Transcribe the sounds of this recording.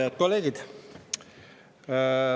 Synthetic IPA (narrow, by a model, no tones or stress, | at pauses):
eɑt̪̚ko̞lːe̞ːɡ̥id̪̥